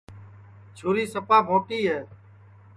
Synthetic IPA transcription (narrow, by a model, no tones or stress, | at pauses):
t͡ʃʰuːɾiːsəpaːmoːʈiːɦeː